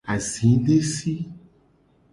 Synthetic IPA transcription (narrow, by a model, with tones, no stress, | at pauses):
a˨zĩ˨˦ɖe˦si˦